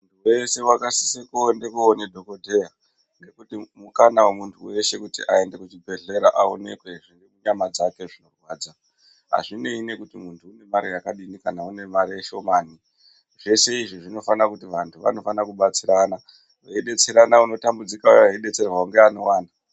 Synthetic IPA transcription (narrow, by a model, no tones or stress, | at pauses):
muntʰuwese̞wakasisekoonde̞kuonedʱo̞kodʱeja | nekutimukanawe̞muntʰuwe̞ʃe̞kutiʔae̞nde̞kut͡ʃibʱe̞ɮe̞ɾaʔao̞̰ne̞̰kwe̞ʐiŋɡekuɲamad͡zake̞ʐino̞rwaːd͡za | ɦa̰ʐine̞ine̞kutimuntʰuːne̞maɾijakaɗinikanaune̞maɾijeʃo̞maːni | ʐe̞se̞iʐiʐino̞fanakutiʋantʰuʋa̰no̞fanakuɓat͡siɾana | waiɗe̞t͡seɾanauno̞tambud͡zikaoaiɗe̞t͡se̞rwauŋɡeano̞waːna